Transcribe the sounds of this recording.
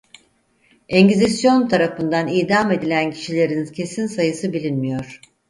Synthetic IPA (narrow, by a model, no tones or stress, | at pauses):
eɲɟizisjo̞nt̪ʰaɾafɯnd̪aniːd̪ame̞d̪ilʲæncʰi̥ʃilʲe̞ɾincʰe̞sinsajɯsɯbilʲinmijo̞ɾ̥